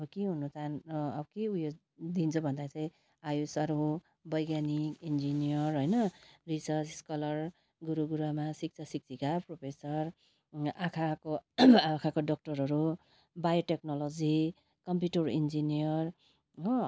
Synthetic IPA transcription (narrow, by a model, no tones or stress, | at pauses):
ʌbʌkiɦunut͡sanʌbʌkeujo | d̪int͡sʰʌbʱʌnd̪at͡sʌj̃ | ajusʌɾu | bʌjɡanikind͡zinijʌrɦojnʌrisʌɾt͡sskʌlʌr | ɡuɾuɡuɾamasik̚t͡sʰasik̚t͡sʰikapropʰesʌr | akʰakoakʰakoɖʌk̚ʈʌɾɦʌɾu | bajoʈeknɔlod͡zi | kʌmpjuʈʌrḭnd͡zinijʌr